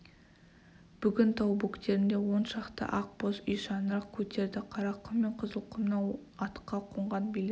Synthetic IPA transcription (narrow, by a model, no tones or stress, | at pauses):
b̥ʏɡʲɪnt̪ʰɑwbukt̪e̞ɾɪnd̪e̞wo̞nʃɑqt̪ə̰ʔɑq̚bosijʃɑnəɾɑqkʲʰɵt̪e̞ɾd̪ɪqʰɑɾɑqʰːəmːe̞ɴqʰəzəlˠqʰəmnɑw | ɑt̪qːɑqʰoɴʁɑnbel